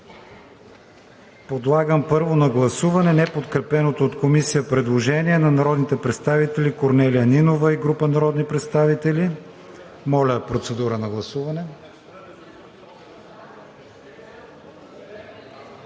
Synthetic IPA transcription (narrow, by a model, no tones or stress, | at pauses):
pod̪lˠaɡəmpɤɾvonɐɡlˠɐsuvɐnɛnɛpot̪kɾɛpɛnot̪oːt̪komisijəpɾɛd̪lˠoʒɛniɛnɐnɐɾɔd̪nit̪ɛpɾɛt̪st̪avit̪ɛlikoɾnɛlijəninovəiɡɾupənɐɾɔd̪nipɾɛt̪st̪avit̪ɛli | mɔlʲəpɾot̪sɛd̪uɾənɐɡlˠɐsuvɐnɛ